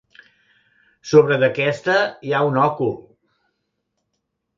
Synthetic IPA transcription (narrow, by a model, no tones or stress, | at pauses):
soβɾəðəkɛst̪əiaunɔkul